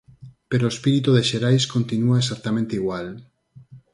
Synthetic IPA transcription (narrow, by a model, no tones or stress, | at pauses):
peɾoespiɾit̪uðeʃeɾajskont̪inuaesak̚t̪amẽnt̪eiɣwal